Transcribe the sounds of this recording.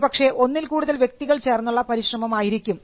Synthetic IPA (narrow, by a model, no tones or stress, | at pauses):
pɐkʂe̞ʔo̞nːilkuːɽuðɐlʋje̞k̚t̪iɣɐɭt͡ɕe̞ːrnːuɭːɐpɐɾiɕrɐmɐmaːjiɾikʲːum